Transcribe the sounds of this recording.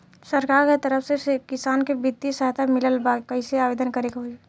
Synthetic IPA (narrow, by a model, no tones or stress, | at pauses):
səɾkaːɾket̪əɾəfsesekɪsaːnkebɪt̪ːisəɦt̪ʰamɪləlbakɐɪseaːʋeːd̪ənkəɾeːɡaɦoe